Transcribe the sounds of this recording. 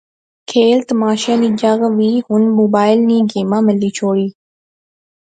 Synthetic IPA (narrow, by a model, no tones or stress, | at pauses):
kʰeːlt̪əmaːʃaːniːd͡ʒəɣʋiːhʊnmoːbaːɪlnĩːɡeːmãːmɪliːt͡ʃʰoːɽiː